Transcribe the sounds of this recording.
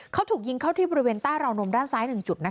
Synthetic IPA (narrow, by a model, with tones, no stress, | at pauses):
kʰa˦˥wt̪ʰuː˨˩k̚ji˧ŋkʰa˥˩t̪iː˥˩bɔː˧ɾi˦weː˧nt̪aː˥˩jɾa˧wno˧mdaː˥˩nsaː˦˥jnɯ˨˩ŋt͡ɕu˨˩t̪̚na˦˥